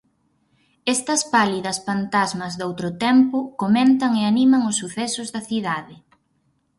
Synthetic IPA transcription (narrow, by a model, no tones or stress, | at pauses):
ɛst̪ɐspaliðɐsfant̪azmɐzðowt̪ɾʊt̪ɛmpʊkoment̪ɐŋeanimɐŋʊsːuθɛsʊzðɐθiðaðɪ